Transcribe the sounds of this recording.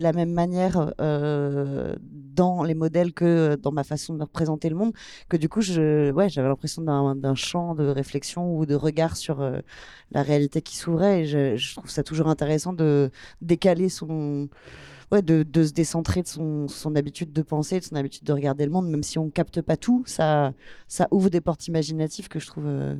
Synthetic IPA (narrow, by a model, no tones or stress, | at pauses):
lamɛmːanjɛʁø | d̪ɑ̃lemɔd̪ɛlkəød̪ɑ̃mafasɔ̃d̪əʁəpχezɑ̃t̪eləmɔ̃d̪ | kəd̪ykuʒəwɛʒavɛlɛ̃pχesjɔ̃d̪ɛ̃d̪ɛ̃ʃɑ̃d̪əʁeflɛksjɔ̃ud̪əʁəɡaʁsyʁø̰ | lʔa̰ʁealit̪ekʲi̥suvʁɛːʒəʒət̪χuv̥sat̪uʒuʁɛ̃t̪eʁesɑ̃d̪əd̪ekalesɔ̃ | wɛd̪əd̪əs̬əd̪esɑ̃t̪χed̪əsɔ̃sɔ̃nabit̪yd̪̚ːəpɑ̃sed̪əsɔ̃nabit̪yd̪ːəʁəɡaʁd̪eləmɔ̃d̪mɛmsiɔ̃kap̚t̪əpat̪ʰusasaʔuvʁəd̪epɔʁt̪imaʒinat̪iv̥kəʒət̪χuvø̰